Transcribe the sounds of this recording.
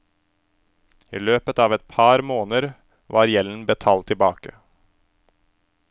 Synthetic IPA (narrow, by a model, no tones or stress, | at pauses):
ḭːløːpət̪ɑːʋɛt̪̚pʰɑɾmoːnəɾ | ʋʔɑːɾjɛln̩bət̪ʰɑːlt̪ʰːɪlbɑːkə